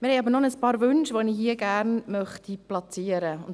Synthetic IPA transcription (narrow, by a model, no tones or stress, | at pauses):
mɪɾhɛɪɑːbəɾnɔnəspɑːɾvʏnʃʋoniɦiːəɡæɾnmœχtiplɑt͡siːəɾəʊn